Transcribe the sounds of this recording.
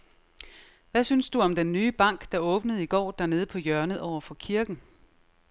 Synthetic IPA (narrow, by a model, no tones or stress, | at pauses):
ʋæsynsd̥uɒ̽md̥enːyːb̥ɑ̈ŋ̰ɡ̥d̥ɑ̈ɔ̽ːb̥nəð̞̩ˠiɡ̥ɒ̰ːd̥æɐne̝ːð̞̩ˠpʰɒ̽jœɐnəðˠɒʊ̰ɐfɒ̽kʰiɐɡ̥n̩